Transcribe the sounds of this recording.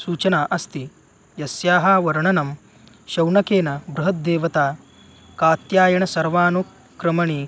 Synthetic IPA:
suːt͡ʃɐnaːʔɐst̪i | jɐsjaːɦɐːʋɐɾɐɳɐnɐm | ʃɐwɳɐkeːnɐbɾuɦɐt̪̚d̪eːʋɐt̪aː | kaːt̪jaːjɐɳɐsɐɾʋaːnu | kɾɐmɐɳiː

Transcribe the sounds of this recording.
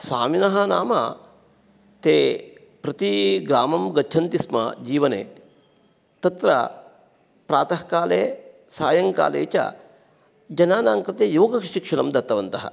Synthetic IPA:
saːminɐɦɐnaːmɐ̰ | t̪eː | pɾɐt̪iɡɾaːmɐmɡɐd̪ʱʰɐnt̪ismɐ̰d͡ʒiːʋɐnḛː | t̪ɐt̪ɾɐ̰ | pɾaːt̪ɐɦkaːleː | saːjɐŋka̰ːlḛːt͡ʃɐ̰ | d͡ʒɐnaːnaːŋkɾɐt̪ejoːɡɐkʃikʂɐnɐmd̪ɐt̪ːɐʋɐnt̪ɐɦɐ̰

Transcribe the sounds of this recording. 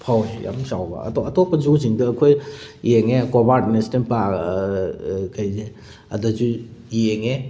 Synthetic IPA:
pʰawzija̰msawba̰ɐ̰tɔɐtɔk̚pɐzuziŋdɐːkʰojjeŋekobatnestenpa | kajze | ɐ̰dɐzujeŋe

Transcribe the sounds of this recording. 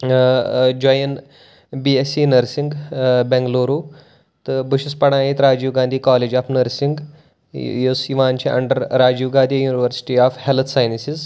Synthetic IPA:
d͡ʒojən | biesinəɾsiŋɡbɛ̃ŋɡloːɾuː | t̪bəʃispɐɽ̃aːjiːt̪ɾaːd͡ʑiːʋɡãːnd̪iːkaːleːd͡ʒaːfnəɾsĩŋɡ | josiʋaːnt͡ʃʰiʔɐ̰ɳɖəɾːaːd͡ʑiʋɡãːd̪ʱijuːniʋəɾsi̥ʈiːaːfhelt̪ʰsaːjnsiz

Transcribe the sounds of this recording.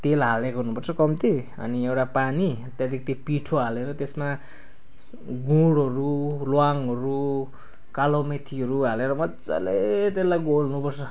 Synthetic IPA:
t̪elɦalekoɦunupʌrt͡sʰʌkʌmt̪ʰi | ʌ̰niewʈapanit̪jad̪ik̚t̪ipiʈʰoɦaleɾʌt̪esma | ɡuɽʌɾulwaŋɦʌɾu | kalomet̪ʰiʌɾuɦaleɾʌmʌt͡sa̰let̪elajɡolnupʌrt͡sʰʌ

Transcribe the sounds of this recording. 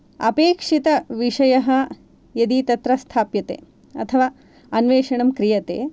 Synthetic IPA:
ɐ̰peːkʂit̪ɐʋiʂɐjɐɦɐ | jɐd̪it̪ɐt̪ɾɐst̪ʰaːpjɐt̪ḛː | ɐ̰t̪ʰɐʋaː | ɐnʋeːʂɐɳɐmkɾijɐt̪ḛː

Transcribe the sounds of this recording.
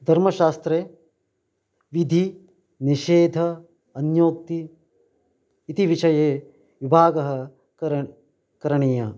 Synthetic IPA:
d̪ʱɐɾmɐʃaːst̪ɾeː | ʋid̪ʱi | niʃeːd̪ʱɐ | ɐnjoːk̚t̪i | t̪iʋiʃɐjeː | ʋibʱaːɡɐɦɐ | kɐɾɐɳiːjɐ

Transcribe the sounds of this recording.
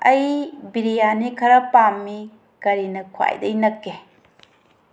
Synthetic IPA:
ɐjbiɾijanikʰɐɾɐpamːi | kɐɾinɐkʰwa̰jdɐjnɐkːe

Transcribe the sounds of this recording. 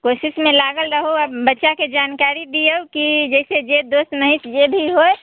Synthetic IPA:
kosɪsmẽlaɡəlɾəɦoəbːətːʃaked͡ʒaːnkaɾid̪ijəwkid͡ʒɛɪsed͡ʒed̪ost̪məɦit̪d͡ʒebʱiɦoj

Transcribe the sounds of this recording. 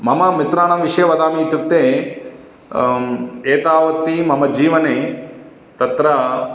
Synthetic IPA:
mɐmɐmit̪ɾaːɳɐmʋiʂɐjɐʋɐd̪aːmit̪ukt̪ːeː | eːt̪aːʋɐt̪ːimɐmɐd͡ʒiːʋɐneː | t̪ɐt̪ɾɐ

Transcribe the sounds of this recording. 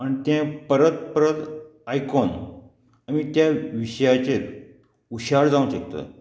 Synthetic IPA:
aɳt̪ẽpəɾət̪̚pəɾət̪ajkɔn | amit̪jaʋiɕjat͡ɕet̪ | uɕaɽd͡zaũɕək̚t̪ə̰

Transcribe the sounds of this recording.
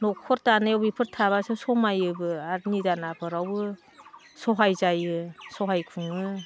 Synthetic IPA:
nɔkʰɔɾtanajawbipʰɯɾtʰaβasɯsɔmajɯbɯaɾnidanapʰɯɾawɯ | sɔɦajzajɯsɔɦajkʰuŋɯ

